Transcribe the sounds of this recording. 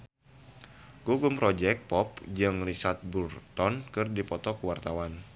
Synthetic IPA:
ɡoɡumpɾɔd͡ʒɛk̚pɔp̚d͡ʒɨŋrisat̪̚burt̪ɔnkɨrdipɔt̪ɔkuwart̪awan

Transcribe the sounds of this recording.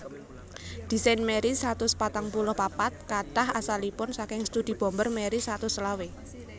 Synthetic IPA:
d̪̥i̤sajnmeɾisɾat̪ʊspat̪aŋpulʊhpapat̪̚kaɖ̥aɦasalipʊnsakɪŋst̪ud̪̥i̤b̥ɔ̤mbərmeɾisat̪ʊsəlawe

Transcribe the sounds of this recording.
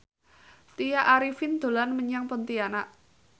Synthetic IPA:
t̪ijaʔaɾifɪnd̪̥o̤lanməɲaŋpɔnt̪ianaʔ

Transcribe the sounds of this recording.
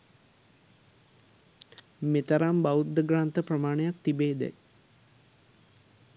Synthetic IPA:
met̪ɐɾaːmbawud̪əɡɾaːnt̪əprɐmaːɳejakt̪ibeːd̪ɛ̰j

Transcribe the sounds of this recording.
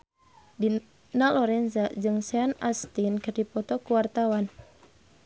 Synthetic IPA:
di | nalɔɾɛnzad͡ʒɨŋsɛanast̪inkərdipɔt̪ɔkuwart̪awan

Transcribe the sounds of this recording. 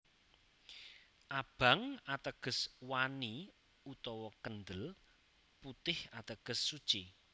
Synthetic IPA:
ʔab̥a̤ŋat̪əɡ̥ə̤swani | ut̪ɔwɔkənd̪əl | put̪ɪhat̪əɡ̥ə̤sːud̥t͡ʃi

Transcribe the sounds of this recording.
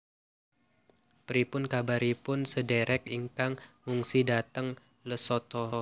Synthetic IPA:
pɾipʊnkabaɾipʊnsədeɾʔɛk̚iŋkaŋmuŋsidat̪əŋ | ləsot̪ɔ

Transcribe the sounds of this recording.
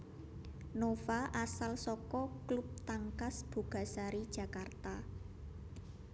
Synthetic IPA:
nofaʔasalsɔkɔklup̚t̪aŋkasb̥ṳɡ̥a̤saɾid̥ʒ̥ä̤kart̪a

